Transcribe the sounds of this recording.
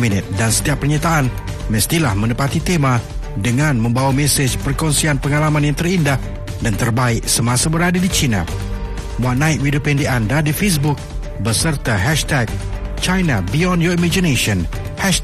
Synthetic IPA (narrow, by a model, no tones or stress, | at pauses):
minɪt̪̚dansə̥t̪iapːərɲat̪aʔan | mə̃st̪ilahmə̃nəpat̪it̪emã | dəŋãnmə̃mbawamɛsed͡ʒpərkɔnsianpəŋalamãnjãŋt̪ərindah | dant̪ərbaɪk̚səmãsabəɾadadit͡ʃinã̰ | wanːaɪt̪̚widopɛndiandadifes̬buk̚ | bəsərt̪aɦɛʃt̪ɛk̚t͡ʃajnabiɔndjɔimad͡ʒineʃɔ̃n | hɛʃ